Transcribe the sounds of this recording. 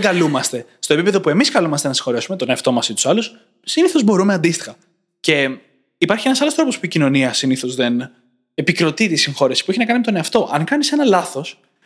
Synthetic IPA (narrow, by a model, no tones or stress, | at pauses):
ɡɐlumɐst̪e̞st̪o̞e̞pipe̞ðo̞pue̞miskɐlumɐst̪e̞nɐsiŋ̥xo̞ɾe̞sume̞t̪o̞neɐft̪o̞mɐsit̪u̥sɐlus | siniθo̞zbo̞ɾumeɐnd̪ist̪i̥xɐ | ce̞ | ipɐɾçienɐsɐlo̞st̪ɾopo̞spuicino̞niɐsiniθo̞zðe̞n | epikɾo̞t̪it̪isiŋxo̞ɾesi̥pueçinɐkɐnimet̪o̞ne̞ɐft̪o̞ʔɐŋkɐnisenɐlɐθo̞s